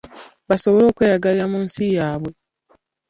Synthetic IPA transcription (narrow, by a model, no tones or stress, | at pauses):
βaso̞βo̞lo̞ːkweːjaɡaliɾamuːnsijaːβwe̞